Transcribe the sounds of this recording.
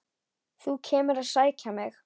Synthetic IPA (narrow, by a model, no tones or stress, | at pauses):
θucʰɛːmʏɾaðsaːjcamɪx